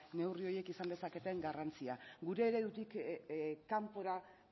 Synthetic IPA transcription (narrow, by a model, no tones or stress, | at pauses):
ne̞wrio̞je̞kisand̪e̞sake̞t̪e̞ŋɡarant͡siaɡuɾe̞ːɾe̞ðut̪ik | kːampo̞ɾa